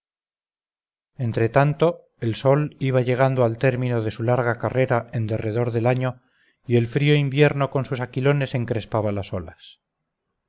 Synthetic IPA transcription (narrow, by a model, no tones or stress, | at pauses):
e̞nt̪ɾe̞t̪ant̪o̞ | elso̞liβ̞aʝe̞ɣ̞and̪oalt̪e̞ɾmĩno̞ð̞e̞sulaɾɣakare̞ɾae̞nd̪e̞re̞ð̞o̞ɾðe̞laɲo̞ | ie̞lfɾio̞imbje̞ɾno̞ko̞nsusakilo̞ne̞se̞ŋkɾe̞spaβalaso̞las